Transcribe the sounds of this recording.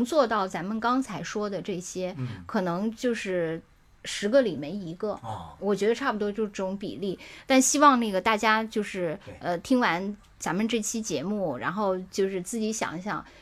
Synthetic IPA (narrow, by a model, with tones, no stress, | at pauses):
ŋt͡swɔ˥˧t̪ɑ˥˩ʊt͡sa˧˥nmə˨nkɑ˥ŋt͡sʰa˧˥ɪʂwɔ˥d̪ə˨ʈ͡ʂɤ˥˩ɕjɛ˥kʰɤ˨˩nɤ˧˥ŋt͡ɕjo˥˧ʊʂɻ̩˥˩ | ʂɻ̩˧˥ɡə˧li˨˩me˧˥ɪi˧˥ɡə˧wɔ˨˩t͡ɕɥɛ˧˥d̪ə˧ʈ͡ʂʰa˥˩pu˩t̪wɔ˥t͡ɕjo˥˧ʊʂʈ͡ʂʊ˧˥ŋpḭ˨˩li˥˩t̪a˥˩˧nɕi˥wɑ˥˧ŋna˥˩ɡə˩t̪a˥˩t͡ɕja˥t͡ɕjo˥˧ʊʂɻ̩˥˩ə˧t̪ʰi˥ŋwa˧˥n | t͡sa˧˥nmə˧ʈ͡ʂɤ˥˩t͡ɕʰi˥t͡ɕjɛ˧˥mu˥˩ɻa̰˧˥nxo˥˧ʊt͡ɕjo˥˧ʊʂɻ̩˥˧t͡sɹ̩˥˩t͡ɕi˧˥ɕjɑ̰˨˩ŋɕjɑ̰˥˩ŋ